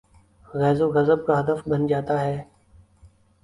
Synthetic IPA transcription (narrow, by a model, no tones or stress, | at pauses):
ɣɛːzoːɣəzəb̚kaːɦəd̪əfbənd͡ʒaːt̪aːɦɛː